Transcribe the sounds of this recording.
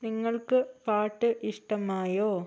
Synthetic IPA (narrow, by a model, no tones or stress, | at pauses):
niŋːɐɭkɨpaːʈːɨʔiʂʈɐmaːjoː